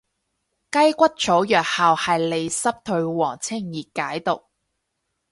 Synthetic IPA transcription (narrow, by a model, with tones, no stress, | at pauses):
kɐ˥jkʷɐ˥t̚t͡ʃʰo˨˥wjœː˨˩k̚haː˨whɐ˨jle˨˧jsɐ˥p̚t̪ʰɵ˧ɥwɔː˨˩ŋt͡sʰɪ˥˩ŋjiː˨kːaː˨˥jt̪ʊ˨k̚